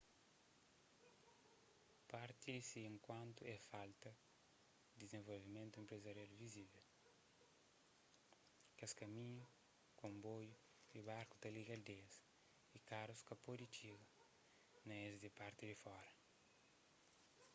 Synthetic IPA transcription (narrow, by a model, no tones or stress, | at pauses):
paɾt̪idisiẽŋkwãnt̪uɛfalt̪ɐ | d̪izẽɱvolvimẽnt̪uẽmpɾezɐɾialuvizivel | kaskɐmĩɲu | kõmboju | dibaɾku̥t̪ɐliɡɐld̪eɐs | ikaɾuskɐpodit͡ʃiɡɐ | nɐezd̪ipaɾt̪id̪ifɔɾɐ